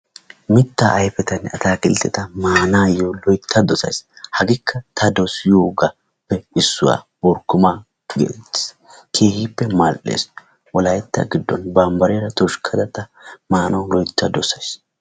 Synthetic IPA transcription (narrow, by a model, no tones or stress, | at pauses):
mɪt̪ːaʔɐjfɛt̪ɐnːɐt̪aːkɪlt̪ːɛt̪ɐmaːnaːjɔlɔjt̪ʰːɐd̪ɔsɐ̰jshɐɡɪkʰːɐt̪ʰɐd̪ɔsjuːɡɐ | pːɛɪsːʊ̰wa̰ː | bɔɾkːʊma | ɡḛːɪ̥s | kʰeːhiːpːɛmalʔḛːs | ʔɔlɐjɛt̪ːɐ̰ɡɪd̪ːɔ̰nbaːmbɐɾeɾɐt̪ɔʃkʰɐd̪ɐt̪ɐmaːnɐwʊlɔjt̪ːɐd̪ɔsɐjs